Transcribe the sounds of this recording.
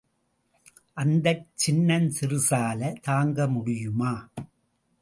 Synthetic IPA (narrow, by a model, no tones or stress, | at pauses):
ʔɐnd̪ɐt͡ʃːɪnːɐnsɪrɯsaːlɐt̪aːŋɡɐmʊɽɪjɯmaː